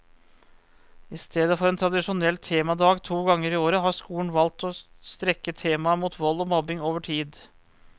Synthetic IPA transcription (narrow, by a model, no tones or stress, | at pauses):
ɪst̪ʰeːd̪əfɔɾɛnt̪ʰɾɑd̪ɪʂʊnɛlːt̪ʰeːmɑd̪ɑːɡt̪ʰuːɡɑŋːəɾɪoːɾəɦɑʂkuːn̩ʋɑlt̪ɔst̪ɾɛkːət̪ʰeːmɑmuːt̪ʋɔlːɔmɔbɪŋoːʋəʈʰiːd̪